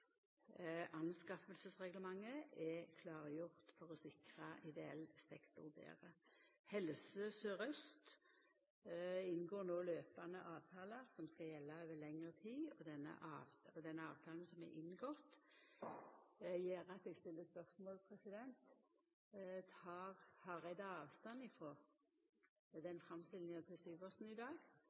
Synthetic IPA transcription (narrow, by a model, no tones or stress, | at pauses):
ʔɑnskɑfəlsəsʁɛɡləmɑŋːəɛkʰlɑːʁjʊʁt̪fɔʁɔsɪkʁəʔɪd̪ɛɛ̰lsɛkt̪ʊʁd̪ḛːʁəhɛlsəsœʁœst̪ | ɪnːɡoːnoːløːpɑnəʔɑːʋt̪ʰɑːləsɔmskɑjɛlːɑøːʋəlɛŋəʁət̪ʰiːɔd̪ɛnːə̰ʔɑːʋɔd̪ɛnːəɑːʋt̪ʰɑːlənsɔmɛ̰ʔɪnːɡɔt̪ | jeːɾɑt̪ɛɡst̪ɪlːəspœʁsmoːlpʰʁɛsɪd̪ɛnt̪ | t̪hɑːʁhɑɾɛɪd̪ɑɑːʋst̪ɑnɪfɾɔ | d̪ɛnfʁɑmst̪ɪlnɪŋət̪ʰɪlsyːʋɔsn̩ɪd̪ɑːɡ